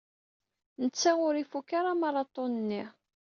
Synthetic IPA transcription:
nət͡sːaʁʊɾifukːaɾamɑɾˤɑt̪ˤonənːi

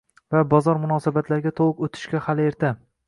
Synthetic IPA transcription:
vabɒzɒɾmʊnɒsabat̪laɾɡʲat̪ʰoʊkot̪ʰɪ̥ʃkʲahale̞ɾt̪ʰa

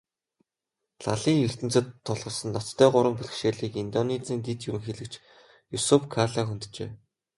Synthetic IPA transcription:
ɮaɮiːŋjɵr̥t̪ɘ̆nt͡sɘ̆t̪ʰːɔɮʁ̥ɞ̆ɮsə̆nːɔt͡st̪ʰːæːɢʊɾə̆mpuɮ̆ʃeːɮiːkint̪ɔnet͡siːnt̪it̪juɾɘ̆ŋxeɮɘ̆kt͡ɕ | jusupkʰaɮaxunt̪t͡ɕḛː

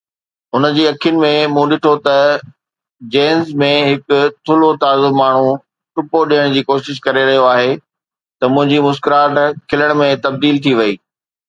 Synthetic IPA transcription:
ʊnə̆d͡ʑiːɐkʰijʊnɪ̆mẽmũːɗɪʈʰot̪ɐ | d͡ʑeːnzmẽɦɪkʊt̪ʰʊlot̪aːzʊmaːɳ̤ũ | ʈʊpoɗijəɽ̃d͡ʑiːkoːʃɪʃ̬kɐɾeɾɐɦijoaːɦe | t̪ɐmʊ̃ɦɪ̃ɲd͡ʑimʊskɪɾaːʈkʰɪləɽ̃mẽt̪ɐb̚d̪iːlt̪ʰiʋɐiː

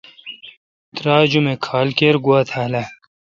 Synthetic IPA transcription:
t̪ɾaːd͡ʑumekʰaːlkeːɾɡuaːt̪ʰaːla

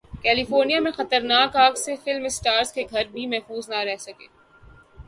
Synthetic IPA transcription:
kɛːlifoːɾnijamẽxɐt̪əɾnaːkaːksefɪlmɪsʈaːɾskeɡʱɐɾbʱimɛɦfuːznaɾɛɦsɐkeː

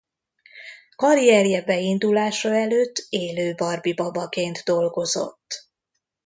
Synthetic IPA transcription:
kɒɾiɛɾijɛbɛind̪ulaːʃɒɛløːt̪ːeːløːbɒrbibɒbɒkeːnd̪d̪o̞lɡo̞zo̞̰t̪ː

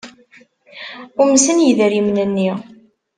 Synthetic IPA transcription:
ʊməsənjəðəɾimnənːi

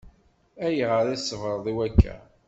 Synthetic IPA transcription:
æjəʁəɾæsːəvɾˤðˤiwækʰːæ̰

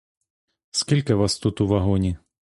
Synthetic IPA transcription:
skʲilʲkɪʋɑst̪ut̪uʋɐɦɔnʲi

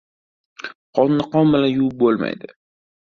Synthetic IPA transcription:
qʰɒnːɪqɒnbɪlanjʊwʊp̚bolˠma̰jd̪ɪ

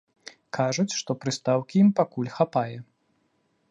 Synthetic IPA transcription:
kʰaʐut͡sʲʂt̪ɔpɾɨst̪awkʲijimpakulʲxapajɛ

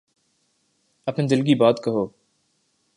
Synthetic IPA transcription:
ɐpned̪ɪlɡibaːt̪kɐɦoː

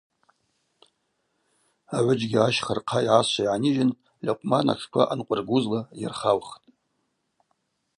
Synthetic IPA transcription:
aʕʷʊd͡ʒɡʲiaʃχərqʰaiʕaɕʷajʕaniʒɪn | lʲaqʷʼmana̰ʈ͡ʂʰkʷʰa̰ʔanqʷʼʊrɡʷuzlaja̰rχalχtʼ

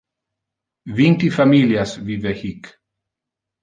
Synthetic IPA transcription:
vint̪ifamiljasvivɛhik

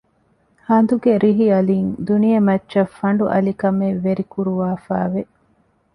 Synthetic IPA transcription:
hɐnd̪uɡeɾiɦiɐlind̪unijɐmɐtːʃɐfːɐɳɖuʔɐlikɐmeʋːeɾikuɾuʋaːfaːʋe

